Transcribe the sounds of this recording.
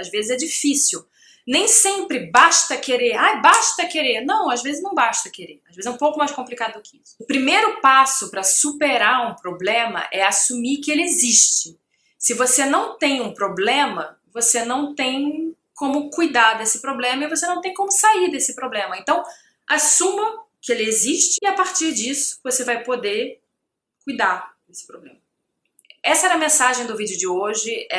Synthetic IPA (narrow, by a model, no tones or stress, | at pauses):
azvezɪzɛd͡ʒifisiw | nẽj̃sẽmpɾɪbaʃt̪ɐkeɾeɾajbaʃt̪ɐkeɾeɾnɐ̃w̃azvezɪznɐ̃w̃baʃt̪ɐkeɾeɾaʒvezɛũpowkʊmajʃkõplikad̪ʊd̪ʊkɪisʊ̥ʊpɾimejɾʊpasʊpɾɐsupeɾaɾũpɾoblẽmɐ̰ʔɛasumikɪelɪeziʃt͡ʃɪ | sɪvosenɐ̃w̃t̪ẽj̃ũpɾoblẽmɐ | vosenɐ̃w̃t̪ẽj̃ | kõmʊkujd̪aɾd̪esɪpɾoblẽmɐɪvos̬enɐ̃w̃t̪ẽj̃kõmʊsaiɾd̪esɪpɾoblẽmɐẽnt̪ɐ̃w̃ | asũmɐkɪelɪeziʃt͡ʃɪɪapaɾt͡ʃiɾd͡ʒisʊ̥vosevajpod̪e | kujd̪aɾd̪esɪ̥pɾoblḛ̃mɐ | ɛsɐɛɾɐmẽsaʒẽj̃d̪ʊvid͡ʒɪʊd͡ʒɪoʒɪɛ